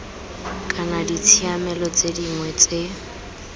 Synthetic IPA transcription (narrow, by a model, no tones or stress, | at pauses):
kʼanadit͡sʰiamɛlɔt͡sʼediŋwɛt͡sʼe